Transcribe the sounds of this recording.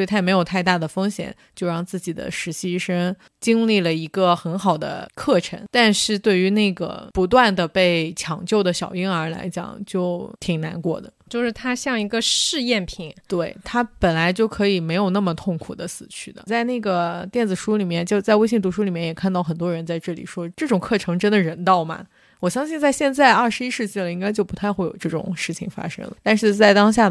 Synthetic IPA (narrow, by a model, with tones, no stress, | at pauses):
t̪ʰa˥˧˨me˧˥ɪjo˨˩ʊt̪ʰa˥˧ɪt̪a˥˩d̪ə˩fɤ˥ŋɕjɛ̰˨˩˦nt͡ɕjo˥˧ʊɻɑ˥˧ŋt͡sɹ̩˥˩t͡ɕi˨˩d̪ə̰˦ʂɻ̩˧˥ɕi˥ʂə˥ŋ | t͡ɕi˥ŋli˥˩lə˩i˧˥ɡə˧xə˧˥nxɑ˨˩ʊd̪ə̰˦kʰɤ˥˩ʈ͡ʂʰə̰˧˥ŋt̪a˥˧nʂɻ̩˥˧t̪we˥˩ɪy˧˥na˥˩ɡə̰˩pu˧˥t̪wa˥˩nd̪ə˩pe˥˩ɪt͡ɕʰjɑ˧˥˩ŋt͡ɕjo˥˩ʊd̪ə˩ɕjɑ˨˩ʊi˥ŋə˞˧˥la̰˧˥ɪt͡ɕjɑ̰˨˩˦ŋt͡ɕjo˥˩ʊʊt̪ʰi˨˩ŋna˧˥nkwɔ̰˥˩d̪ə̰˩t͡ɕjo˥˧ʊʂɻ̩˥˩t̪ʰa˥ɕjɑ˥˩ŋi˧˥ɡə˧ʂɻ̩˥˧jɛ˥˩npʰi˨˩˦ŋt̪we˥˩ɪt̪ʰa˥pə˨˩nla˧˥ɪt͡ɕjo˥˩ʊkʰɤ˧˥i˨˩me˧˥ɪjo˨˩ʊna˥˩mə˩t̪ʰʊ˥˩ŋkʰu˨˩d̪ə˦sɹ̩˨˩t͡ɕʰy˥˩d̪ə̰˩t͡sa˥˧ɪna˥˩ɡə˩t̪jɛ˥˩nd͡zɹ̩˨˩ʂu˥li˨˩mjɛ˥˧nt͡ɕjo˥˧ʊt͡sa˥˧ɪwe˥ɪɕ̬i˥˩ŋt̪u˧˥ʂu˥li˨˩mjɛ˥˩jɛ˨˩kʰnt̪ɑ˥˩ʊxə˨˩nt̪wɔ˥ɻə˧˥nt͡sa˥˧ɪʈ͡ʂɤ˥˩lḭ˨˩ʂwɔ˥ʈ͡ʂɤ˥˩ʈ͡ʂʊ˨˩ŋkʰɤ˥˩ʈ͡ʂʰɤ˧˥ŋʈ͡ʂə˥nd̪ə˨˩ɻə˧˥nt̪ɑ˥˩ʊmɐ̰˨˩ | wɔ˨˩ɕjɑ˥ŋɕi˥˧nt͡sa˥˧ɪɕjɛ˥˧nt͡sa˥˧ɪɐ˞˥˩ʂɻ̩˧i˥ʂɻ̩˥˧t͡ɕi˥˩lə˩i˥ŋka˥ɪt͡ɕjo˥˩ʊpu˧˥t̪ʰa˥˧ɪxwe˥˩ɪjo̰˨˩ʈ͡ʂɤ˥˩ʈ͡ʂʊ̰˨˩ŋʂɻ̩˥˩t͡ɕʰḭ˨˩ŋfa̰˥ʂɤ̰˥ŋlə̰˩t̪a˥˧nʂɻ̩˥˧t͡sa˥˩ɪt̪ɑ˥ŋɕ̬ja˥˩